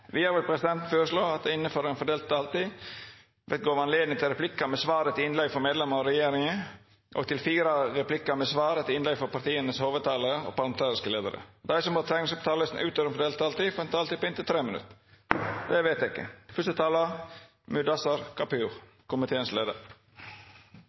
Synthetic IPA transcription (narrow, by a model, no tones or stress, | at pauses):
ʋɪhɑːɾʋɪlpʰɾɛsɪd̪ɛnt̪n̩føːɾəʂloːɑt̪̚d̪ɛɪnːəfɔɾɛɪnfɔɖeːlt̪̚d̪ɑːlt̪iː | ʋɛt̪ɡoːʋɑnleːd̪nɪŋt̪ɪlɾɛpʰlɪkːɑmɛsʋɑːɾət̪ɪɪnlɛɡfɔɾmeːd̪lɛmɑɾɔɾɛjeːɾɪŋə | ʔɔ̰t̪ɪlfiːɾəɾɛplɪkːɑmɛsʋɑːɾət̪ʰɪɪnlɛɡfɔɾpɑɾt̪iːənəshoːʋəd̪̚t̪ɑːləɾəɔ̰pɑɾlɑmɛnt̪ʰɑːɾɪskəleːd̪ə̰ɾə̰d̪æɪsɔmɑːt̪ʰɾæɪɡnɪŋsɔp̚t̪ʰɑːləsn̩ʔʉːt̪ʰøːʋɾɛnfɔɖeːlt̪̚d̪ɑlt̪ifɛnt̪ɑlt̪ipʰɔɪnt̪ːət̪ʰɾeːmɪnʉ̰t̪ː | d̪ɛʋeɪt̪æɪkːə̰fœst̪ət̪ʰɑːlə | mʉd̪ɑsɑɾkʰɑpʉːʁ | kʰʊmɪt̪ʰeːənsleːd̪ə̰ɾ